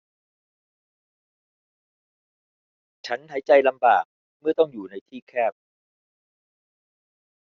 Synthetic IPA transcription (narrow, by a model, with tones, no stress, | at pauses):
t͡ɕʰa˦˥nɦa˩˦jt͡ɕa˧jla˧mbaː˨˩k̚ | mɯ˥˩ɐt̪ɔ˥˩ŋjuː˨˩na˧jt̪ʰiː˥˩kʰɛː˥˩p̚